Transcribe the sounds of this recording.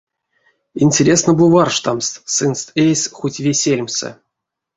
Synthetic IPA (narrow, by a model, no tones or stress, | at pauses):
inʲtʲeɾʲesnəbɨvarʂt̪amst̪sɨnst̪ejsʲxutʲvʲesʲelʲmʲsɨ̰